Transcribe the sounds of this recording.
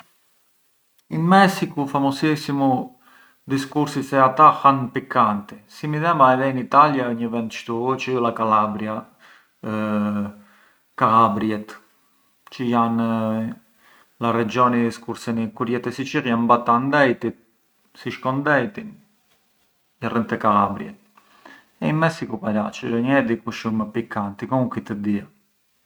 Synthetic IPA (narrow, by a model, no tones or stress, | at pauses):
inmɛsikufamɔsisimu | d̪iskuɾsisɛat̪axanpikːant̪isimiðɛmaɛðɛinit̪aljaəɲivɛnt̪ʃt̪ut͡ʃiulakalabɾja | kalabɾjɛt̪ | t͡ʃijan | larɛd͡ʒɔniskuɾsɛnikuɾjɛt̪ɛsit͡ʃiɾjambat̪and̪ɛjt̪it̪ | siʃkɔnd̪ɛjt̪in | ɛrənt̪ɛkalabɾjɛ̰t̪̚ | ɛimɛsikupaɾat͡ʃəɔɲəɛd̪ikuʃuməpikant̪ikɔuŋkit̪əd̪ia